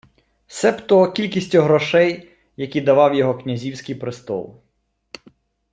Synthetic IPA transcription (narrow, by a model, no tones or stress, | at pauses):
sɛpt̪ɔkʲilʲkʲisʲtʲɔɦɾɔʃɛj | jɐkʲid̪ɐʋɑwjɔɦɔknʲɐzʲiwsʲkɪjpɾɪst̪ɔ̰lˠ